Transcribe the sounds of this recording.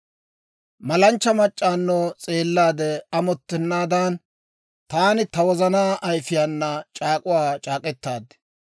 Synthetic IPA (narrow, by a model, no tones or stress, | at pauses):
mɐlɐnt͡ʃːɐmɐt͡ʃʼːaːnːoːt͡sʼe̞ːlːaːd̪ɛɐmɔt̪ːɛnːaːd̪an | t̪aːnɪt̪ɐwɔzɐnaːʔɐjfɪjaːnːɐt͡ʃʼaːkʼʊwaːt͡ʃʼaːkʼɛt̪ːaːd̪ɛ̥